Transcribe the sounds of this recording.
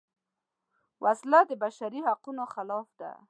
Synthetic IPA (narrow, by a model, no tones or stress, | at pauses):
wʔaslad̪əbaʃaɾihaqunoxalɑfd̪a̰